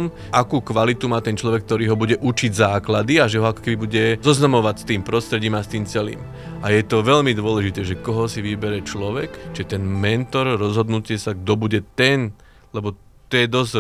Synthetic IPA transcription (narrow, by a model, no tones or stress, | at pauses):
m | ʔakuːkʋalit̪umaːt̪ɛnt͡ʃlɔʋɛk̚t̪ɔɾiːɦɔbuɟɛʔut͡ʃiɟzaːklad̪iaʒɛɦɔakɔ̥kɛbibuɟɛzɔznamɔʋacst̪iːmpɾɔst̪ɾɛɟiːmast̪iːmt͡sɛlḭːm | ajɛt̪ɔʋɛʎmid̪ʊɔlɛʒit̪ɛːʒɛkɔɦɔsiʋibɛɾɛt͡ʃlɔʋɛkt͡ʃiɛt̪ɛnmɛnt̪ɔɾɾɔzɦɔd̪nucɪɛsaɡd̪ɔbuɟɛt̪ɛn | lɛbɔ | t̪ɔjɛd̪ɔz